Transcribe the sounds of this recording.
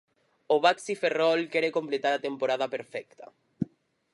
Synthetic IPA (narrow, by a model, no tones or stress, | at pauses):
oβ̞aksiferɔlkɛɾekomplet̪aɾat̪empoɾað̞apeɾfɛk̚t̪a̰